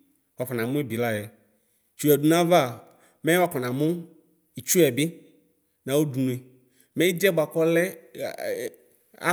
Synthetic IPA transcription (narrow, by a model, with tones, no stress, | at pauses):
wa˨fɔ˨nã˨mũ˦e˦bi˨la˦jɛ˨ | t͡ʃu˨ɛ˨ɖu˨nã˦v | mɛ̃˦wa˦kɔ˨nã˨mũ˦ | i˨t͡ʃu˦ɛ˨bɪ˦ | nã˨wo˦du˨nũ˨e˨ | mɛ̃˦i˦d͡ʒɛ˦bo˨a˨kɔ˦lɛ˦ | a̰˦